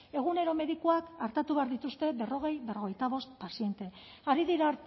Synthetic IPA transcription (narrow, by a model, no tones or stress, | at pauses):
e̞ɣ̞une̞ɾo̞me̞ðikuakaɾt̪at̪uβe̞aɾðit̪ust̪e̞βe̞ro̞ɣ̞e̞jβe̞ro̞ɣ̞e̞jt̪aβo̞st̪̚pasie̞nt̪e̞ | aɾiðiɾaɾ